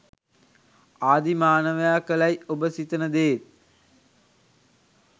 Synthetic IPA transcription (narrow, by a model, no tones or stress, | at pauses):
aːd̪imaːnəʋəjaːkəlajobəsit̪ənəd̪eːt̪̚